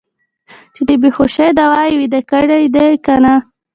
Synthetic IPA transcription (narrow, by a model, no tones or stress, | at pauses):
t͡ʃed̪əbexoʃed̪awɑjwid̪akəɽejd̪ekana